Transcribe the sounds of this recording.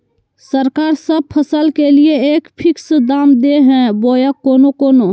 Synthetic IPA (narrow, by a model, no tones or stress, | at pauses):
səɾkaːɾsəb̚pʰəsəlkelieeːkpʰɪksd̪aːmd̪eɦɛ̃boːjakoːnokoːno